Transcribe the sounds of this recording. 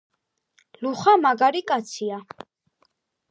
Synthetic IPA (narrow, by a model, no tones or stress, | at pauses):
luχamaɡaɾikʼat̪sʰia